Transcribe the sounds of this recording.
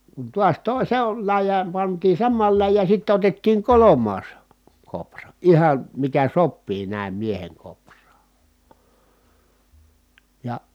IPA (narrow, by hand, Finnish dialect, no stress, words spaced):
kun tuɑs toˑi se on læjˑæːm pɑntiː sɑmːɑːl læjːæː sitːe otetːiːŋ kolomˑɑːs koprɑ ihɑn̞ mikæ sopːiː næˑim mieheŋ koprˑɑː jɑ